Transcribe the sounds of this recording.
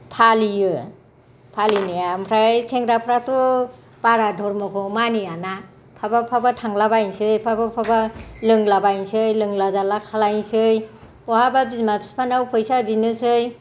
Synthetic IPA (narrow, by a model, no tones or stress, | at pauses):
pʰalijɯ | pʰalinɯjampʰɾajsʰeŋɾapʰɾatɔ | baɾadʱɔɾmɔkʰɔmanijana | pʰabapʰabatʰaŋlabajnsɯjpʰabapʰabalɯŋlabajnsɯjlɯŋlazalakʰalajnsɯj | bɔhababismapʰi̥spʰanawpʰɯjsabinɯsɯj